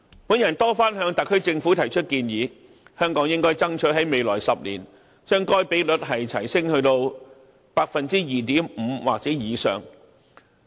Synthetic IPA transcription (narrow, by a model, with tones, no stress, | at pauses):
puː˨˥njɐ˨˩nt̪ɔː˥faː˥nɦœː˨˧ŋt̪ɐ˨kʰːɵ˥ɥt͡sɪ˧ŋfu˨˥t̪ʰɐ˨˩jt͡ʃʰt̚kiː˧njiː˨˧ | hœː˥ŋkɔː˨˥ŋjɪ˥ŋkɔː˥jt͡sɐ˥ŋt͡ʃʰɵ˨˥ɦɐ˨˥jme˨jlɔ̰ː˨˩jsɐ˨p̚lḭː˨˩n | t͡ʃœː˥ŋkɔː˥jpe˨˥jlɵ˨˥t̚ɦɐ˨jt̪ʰɐ˨˩jsɪ˥ŋhɵ˧ɥt̪o˧w | paː˧k̚fɐ˨nt͡siː˥jiː˨˩t̪iː˨˥mm̩˨˧waː˨k̚t͡sɛː˨˥jiː˨˧sœ̰ː˨ŋ